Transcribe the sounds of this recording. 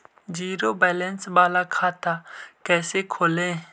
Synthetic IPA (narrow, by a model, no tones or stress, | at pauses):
d͡ʒiːɾoːbɛːlɛnsbaːlakʰaːt̪ʰaːkɛːsekʰoːlẽː